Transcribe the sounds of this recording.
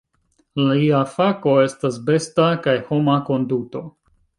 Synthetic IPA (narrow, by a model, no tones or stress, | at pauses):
laiafako̞e̞stasbe̞stakajho̞mako̞nduto̞